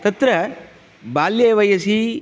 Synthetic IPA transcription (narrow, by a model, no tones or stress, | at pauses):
t̪ɐt̪ɾɐ | baːljeːʋɐjɐsi